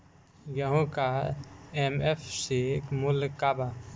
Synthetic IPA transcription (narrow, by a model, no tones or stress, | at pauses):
jəɦũkaemepʰsikmulkaba